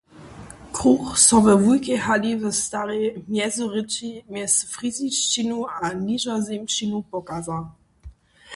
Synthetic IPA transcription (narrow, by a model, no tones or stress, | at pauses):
kʁuxsɔvəvujkɛhalivəst̪aɾɛjmjɛzɔʁɪt͡ʃimjɛsfʁiziʃt͡ʃinuaniʒɔzɛmʃinupɔkazal